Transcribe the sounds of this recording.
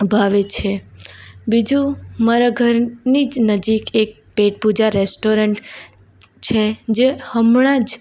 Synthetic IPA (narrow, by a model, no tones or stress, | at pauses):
bʱaʋet͡ʃʰe | bid͡ʒũmaɾaɡʱəɾnid͡ʒnəd͡ʒikek̚peʈ̚pud͡ʒaɾesʈoɾəɳʈ | t͡ʃʰed͡ʒehəmɳad͡ʒ